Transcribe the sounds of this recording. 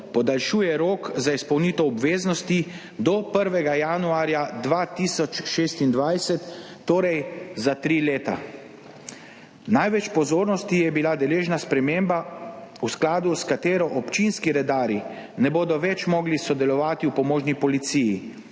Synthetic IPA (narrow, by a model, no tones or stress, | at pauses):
pɔd̪alʃuːjɛɾoːkzaispɔwniːt̪ɔɔbʋeːznɔst̪i | d̪ɔpəɾʋɛɡajanuaːɾjad̪ʋaːt̪isɔt͡ʃʃeːst̪ind̪ʋajsɛt̪ː | oːɾɛjzat̪ɾileːt̪a̰ | najʋɛt͡ʃpɔzoːɾnɔst̪ijɛbilad̪ɛleːʒnaspɾɛmeːmbausklaːd̪uskat̪eːɾɔʔɔpt͡ʃinskiɾɛd̪aːɾinɛboːd̪ɔʋɛt͡ʃmɔɡlisɔd̪ɛlɔʋaːt̪iwpɔmoːʒnipɔlit̪siji